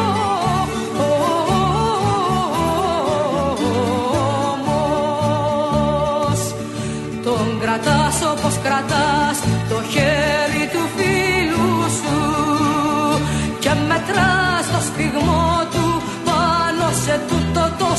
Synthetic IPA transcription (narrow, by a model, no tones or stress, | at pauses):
o | mo | s | t̪oŋɡɾɐt̪ɐsoposkɾɐt̪ɐst̪oçeɾit̪ufilusu | cemːet̪ɾɐst̪ospiɣmot̪u | pɐnoset̪ut̪ot̪o